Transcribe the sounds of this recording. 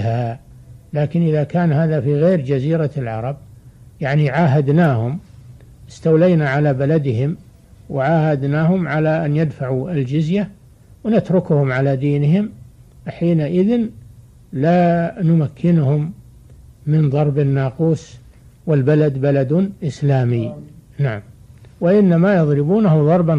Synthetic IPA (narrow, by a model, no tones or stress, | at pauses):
ha | laːkɪnʔɪðakaːnɦaːðafiɣeːɾd͡ʒaziːɾalʕɑ̰ɾˤɑb̚jaʕniʕaːɦad̪naːhʊm | ɪst̪awlajnaʕalabalad̪ɪɦɪm | wɪʕaːhad̪naːɦʊmʕalaʔanjad̪faʕuɪld͡ʒɪzja | wnat̪ɾʊkʊhʊmʕalad̪iːnɪɦɪm | ħiːnaʔɪðɪn | lanʊmakʰːɪnʊhʊmː | ɪnðˤɑɾˤbɪnːɑːquːs | wɪlbalad̪balad̪ʔɪslaːminaʕamwaʔɪnːamajɑðˤɾɪbuːnahʊðˤɑɾˤbɑ